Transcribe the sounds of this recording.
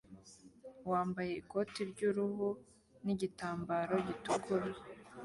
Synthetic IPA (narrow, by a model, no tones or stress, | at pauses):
waːmbaje̞iko̞tiɾɟuɾuhu | niɟitaːmbaɾo̞ɟituɡuɾe